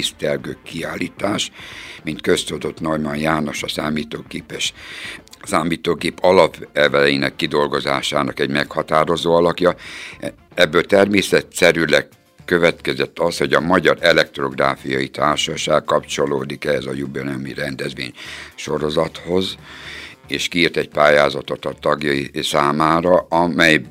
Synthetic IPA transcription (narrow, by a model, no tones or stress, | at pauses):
ist̪ɛrɡøːkiaːliːt̪aːʃmint̪køst̪oːd̪o̞t̪normɒnjaːno̞ʃɒsaːmiːt̪oːɡeːpɛʃ | saːmiːt̪oːɡeːpɒlɒpɛlvɛlɛjinɛkːid̪o̞lɡo̞za̰ːʃaːnɒkɛɟmɛkhɒt̪aːɾo̞zoːɒlɒkjɒ | ɛbːøːt̪ɛrmeːsɛt̪sɛɾylɛɡ | køvɛt̪kɛzɛt̪ːɒsho̞ɟɒmɒɟɒɾɛlɛk̚t̪ro̞ɡraːfijɒjit̪ʰaːrʃɒʃaːkkɒpt͡ʃo̞loːd̪ikɛɦɛzɒjubionɛmḭɾɛnd̪ɛzʋḛːɲʃo̞ɾo̞zɒt̪ho̞z | eːʃkiːrt̪ɛɟ̚paːjaːzɒt̪o̞t̪ɒt̪ɒɡjɒjisaːmaːɾɒɒmɛj